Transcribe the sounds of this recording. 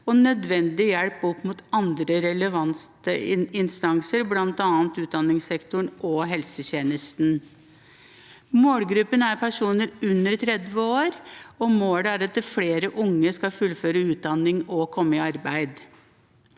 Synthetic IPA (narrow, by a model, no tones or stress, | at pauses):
ɔnœd̪ʋɛnd̪ɪjɛɽpɔpːmuːt̪ɑnd̪ɾəɾɛləʋɑnt̪əɪɪnst̪ɑŋsəɾblɑnt̪ɑːnt̪ʉːt̪̚d̪ɑnːɪŋsɛkt̪ʊɳʔɔɦɛlsəçeːnəst̪n | moːɽɡɾʉpːənæɾpʰæʂuːnəɾʉnːəɾt̪ʰɾɛd̪ʋəoːɾɔmoːɽæɾɑt̪̚d̪ɛfleːɾəʔʊŋːəskɑfʉlføːɾəʉːt̪̚d̪ɑnɪŋɔkʰɔmːəɪɑɾbæɪd̪